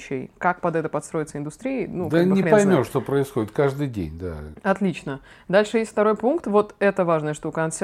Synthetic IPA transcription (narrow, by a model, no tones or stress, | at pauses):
t͡ɕːɪ̰jkak̚pɐd̪ɛt̪əpɐt̪st̪ɾo̞jɪt̪səɪnd̪ʊst̪ɾʲiɪnud̪anʲɪnʲpɐjmʲoʂt̪opɾəɪsxodʲɪt̪̚kaʐd̪ɨjdʲḛnʲd̪a̰ɐt̪lʲit͡ɕnə | d̪alʲʂɨjesʲt̪ʲft̪ɐɾo̞jpunkt̪vo̞t̪ɛt̪əvaʐnəjəʂt̪ukəɐsʲ